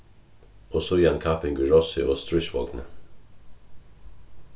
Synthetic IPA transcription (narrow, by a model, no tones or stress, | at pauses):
osɔjɑnkʰɑpɪŋɡəɹɔsɪʔoːst̪ɹʏʃʋɔ̰ɡnə̰